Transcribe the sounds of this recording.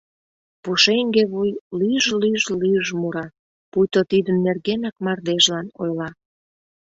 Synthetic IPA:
puʃeŋɡeβujlyəʒlyʒlyəʒmuɾɑ | pujt̪ot̪id̪ənːerɣenɑkmɑrd̪eʒlɑnojlɑ

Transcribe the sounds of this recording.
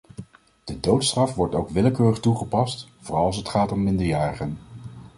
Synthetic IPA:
d̥ədowtstrɑfʋɔɹtowkʋɪləkøːrəχtuχəpɑstvʊːrɑlˠɑs̬ətχaːtɔmːɪndəɹjaːɹəχən

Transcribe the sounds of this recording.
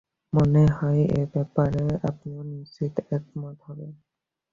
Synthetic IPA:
mɔneɦɔjḛbɛpaɾeapnenisit̪ɛk̚mɔt̪ɦɔbe

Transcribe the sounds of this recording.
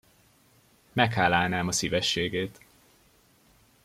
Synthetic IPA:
mɛkhaːlːaːlnaːmɒsivɛʃːeːɡeːt̪

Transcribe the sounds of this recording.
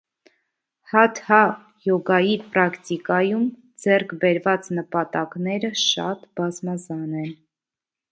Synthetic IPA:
hɑt̪hɑ | jɔɡɑjipɾɑkt̪ikɑjum | d͡zɛrkʰbɛɾvɑt͡snəpɑt̪ɑknɛɾəʃɑ̰t̪bɑzmɑzɑnɛn

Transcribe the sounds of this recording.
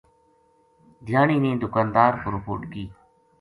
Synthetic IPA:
d̪ʱjaːɳiːnĩːd̪ʊkaːnd̪aːɾbʊɾpo̰ːʈɡiː

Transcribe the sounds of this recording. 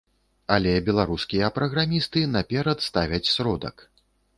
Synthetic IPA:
alʲɛbʲɛlˠaɾuskʲijɐpɾɐɣɾamʲist̪ɨnapʲɛɾɐt̪st̪avʲɐt͡sʲsɾɔd̪ɐ̰k

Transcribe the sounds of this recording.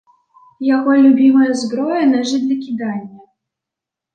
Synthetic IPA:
jaɣɔlʲubʲimɐjɐzbɾɔjɐnɛʐɨd̪ʲlʲɐkʲid̪anʲːɐ

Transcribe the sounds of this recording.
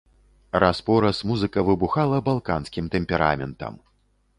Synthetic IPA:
ɾʔaspɔɾɐsmuzɨkɐvɨbuxalˠɐbalˠkanskʲimt̪ɛmʲpʲɛɾa̰mʲɛ̰nt̪ɐ̰m

